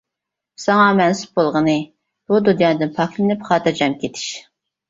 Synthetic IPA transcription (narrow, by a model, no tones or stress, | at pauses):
sɑŋɑmɛnsɪ̥p̚bolˠʁənɨ | b̥ud̪unjɑːnɨd̪ɨnpʰɑkʰlˠnɪpχɑːt̪ɨd͡ʒɛmkʲet̪ʰɪ̥ʃ